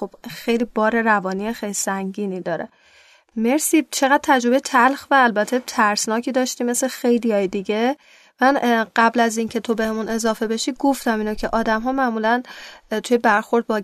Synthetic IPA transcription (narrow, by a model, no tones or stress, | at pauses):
xo̞b̥xejliːbɒːɾeɾævɒːniexejlisæŋɟiːniːd̪ɒːɾḛ | me̞ɾsiːt͡ʃʰe̞ɣæd̪̥̚t̪ʰæd͡ʒɾoe̞jet̪ʰælxvæːlbæt̪ʰe̞t̪ʰæɾsnɒːcʰiːd̪ɒːʃt̪iːme̞sle̞xejlijɒːjed̪iɟe̞ | mænɢ̥æblæzincʰe̞t̪ʰo̞be̞hemune̞zɒːfe̞be̞ʃiːɡo̞ft̪æmiːnocʰe̞ʔɒːd̪æmɦɒːmæmuːlænt̪ʰujebæɾxo̞ɾd̪̚bɒː